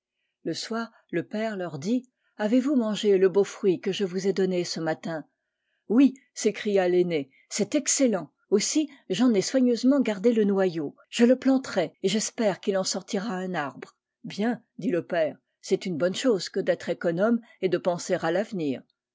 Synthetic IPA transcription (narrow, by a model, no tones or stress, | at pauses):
ləswaːʁ | ləpɛʁlœʁd̪i | avevumɑ̃ʒeləbofχɥikəʒəvuzɛd̪ɔnesəmat̪ɛ̃ | wi | sekχijalene | sɛt̪ɛkselɑ̃ | osiʒɑ̃nɛswaɲøzmɑ̃ɡaʁd̪elənwajo | ʒ̥ələplɑ̃t̪χɛeʒɛspɛʁkilɑ̃sɔʁt̪iʁaɛ̃naʁbʁ | bjɛ̃ | d̪iləpɛːʁ | sɛt̪ynbɔnʃoz̥kəd̪ɛt̪χekɔnɔm | ed̪əpɑ̃seʁalavniːʁ